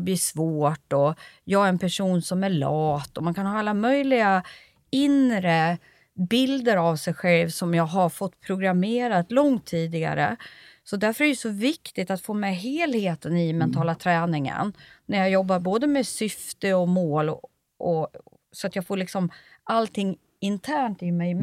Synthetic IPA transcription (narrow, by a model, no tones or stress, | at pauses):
bliːʂvoːʈɔjɑːɡæɾɛnpʰæʂuːnsɔmæɭɑːt̪ɔmankʰanɦɑːalːamœjlɪɡa | ɪnɾə | bɪld̪əɾavsɛjɧɛlvsɔmjɑːɡɦaɾfɔt̪ːpʰɾʊɡɾameːɾat̪lɔŋt̪ʰːiːd̪ɪɡa̰ɾə̰sɔd̪æɾfœɾæɾjɛsɔvɪkt̪ɪt̪at̪foːmɛjɦeːlheːt̪ənɪmɛnt̪ʰɑːlat̪ʰɾɛːnɪŋə̰nnæɾjɑjɔbːaɾboːd̪əmesʏft̪əɔmoːlɔ | ʔɔ | sɔat̪jɑːɡfoːɭɪksɔmʔalt̪ʰɪŋː | ɪnt̪ʰæːɳt̪ɪmɛj